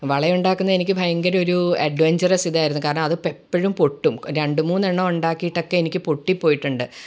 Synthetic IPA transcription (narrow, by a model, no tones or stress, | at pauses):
ʋɐɭɐuɳɖaːkːunːɐe̞nikʲːɨbʱɐjɐŋɡɐɾo̞ɾuɐɖʋeɲd͡ʑɐrɐsiðaːjiɾunːukaːɾɐɳɐmɐðɨpepːɐɻumpoʈːumɾeɳɖumuːnːeɳːoːuɳɖaːkːijːʈːo̞kːe̞enikʲːɨpoʈːipːo̞ːjiʈːuɳɖɨ